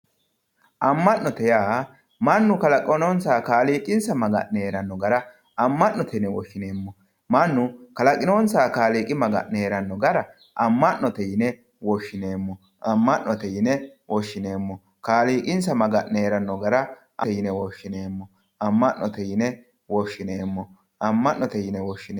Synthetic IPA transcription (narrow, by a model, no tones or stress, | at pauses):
ʔɐmːɐnnɔt̪ɛjaː | mɐnːʊkɐlɐkʼɔnɔnsaːkaːliːkʼɪnsɐmɐɡɐ̰ʔneːɾɐnːɔɡɐɾɐ | ɐmːɐnnɔt̪ʰɛnɛwɔʃːɪneːmːɔ | mɐnːʊkɐlɐkʼɪnonsaːkaːliːkʼɪmɐɡɐ̰ʔneːɾɐnːɔɡɐɾɐ | ʔɐmːɐnnɔt̪ɛjɪnɛ | wɔʃːɪneːmːɔ | ʔɐmːɐʔnːɔt̪ɛjɪnɛwɔʃːɪne̞ːmːɔ | kaːliːkʼɪnsɐmɐɡɐʔneːɾɐnːɔɡɐɾɐ | ʔɐjɪnɛwɔʃːɪneːmːɔ | ʔɐmːɐʔːɔt̪ɛjɪnɛ | wɔʃːɪneːmːɔ | ɐmːɐʔːɔt̪ɛjɪnɛwɔʃːɪn